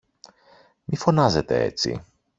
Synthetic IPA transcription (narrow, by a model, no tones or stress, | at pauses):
mifo̞nɐze̞t̪e̞̰e̞̰t͡sḭ